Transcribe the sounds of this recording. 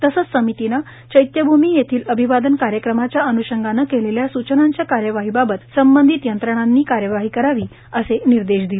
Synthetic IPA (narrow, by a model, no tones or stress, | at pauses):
t̪əsət͡ssəmit̪ina | t͡ɕəjt̪jəbʱumiːjet̪ʰiːləbʱiʋad̪ənkaɾjəkɾəmat͡ɕjaənuɕəŋɡanːəkeleljasut͡ɕənaɲt͡ɕjakaɾjəʋaɦiːbabət̪səmbənd̪ʱit̪jənt̪ɾəɽ̃anːiːkaɾjəʋaɦiːkəɾaʋiː | əseniɾd̪eɕd̪ile